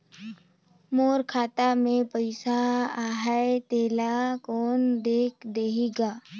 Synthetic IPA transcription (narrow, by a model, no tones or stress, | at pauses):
moːɾkʰaːt̪amẽpəɪsaaːɦaet̪eːlakɔːnd̪eːkʰd̪eːɦiɡaː